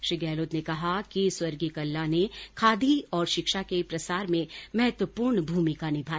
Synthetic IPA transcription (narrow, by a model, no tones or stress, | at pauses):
ʃɾiːɡɛːloːt̪nekɐɦakiswɐɾɡikɐlːanekʰaːd̪ʱiɔːɾʃɪkʃakepɾɐsaːɾmẽmɐɦɛt̪wəpuːɾɳbʱuːmɪkanɪbʱaː